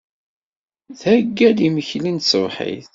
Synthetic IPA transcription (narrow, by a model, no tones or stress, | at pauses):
θhæɡːæliməçlint̪səvħḭθ